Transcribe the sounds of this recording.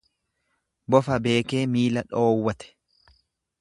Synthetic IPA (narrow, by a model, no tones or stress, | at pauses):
bɔfɐbe̞ːke̞ːmiːlɐᶑoːwːɐt̪ɛ̥